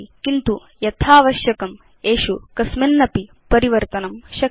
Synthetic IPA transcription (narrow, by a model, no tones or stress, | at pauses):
kint̪u | jɐt̪ʰaːʋɐʃjɐkɐm | eːʃukɐsmenːɐpi | pɐɾiʋɐɾt̪ɐnɐmʃɐ